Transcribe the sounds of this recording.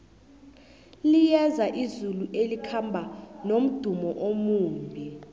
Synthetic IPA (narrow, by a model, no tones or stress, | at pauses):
lijɛzaʔizuluʔelikʰambʱanom̩d̥ʱumɔʔomuːmbʱi